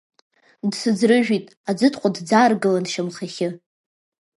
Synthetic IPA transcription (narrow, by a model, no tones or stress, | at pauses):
dsɨd͡zrɨʒᶣitʼ | ad͡zɨtʰqʷʼadd͡zaːrɡɨlanʃamχaχʲɪ